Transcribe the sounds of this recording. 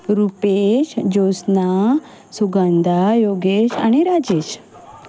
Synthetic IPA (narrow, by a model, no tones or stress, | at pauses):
ɾupeɕd͡ʑosna | suɡand̪ajoɡeɕa̰ɽ̃iɾad͡ʑeɕ